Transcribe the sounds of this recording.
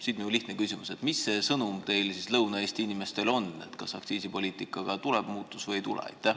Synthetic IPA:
siːd̪minuliht̪nekysimuse̞t̪misːe̞ːsɤnumt̪e̞jlsislɤwnɑe̞ːst̪iinime̞st̪e̞lo̞ne̞̰t̪kɑsɑkt̪siːsipo̞lʲiːt̪ˑikːˑɑɡ̥ɑt̪uleb̥muːt̪ˑːusvɤjejt̪ulḛɑ̰jt̪ːæh

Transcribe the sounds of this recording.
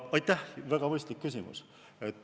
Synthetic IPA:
ɑjt̪ːˑæhvæɡ̥ɑmɤjst̪likːysʲimṵs | et̪ː

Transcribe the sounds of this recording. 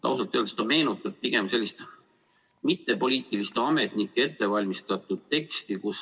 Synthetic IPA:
t̪ɑ̰wsɑlt̪ːˑøld̪̥st̪ɑme̞ːnut̪ːˑɑt̪̚piɡ̥e̞mse̞lʲːist̪ | mit̪ːe̞po̞lʲiːt̪ˑilist̪eɑme̞t̪nikːˑee̞t̪ːe̞vɑlʲmist̪ɑt̪ˑːud̪̥̚t̪e̞kst̪ikus

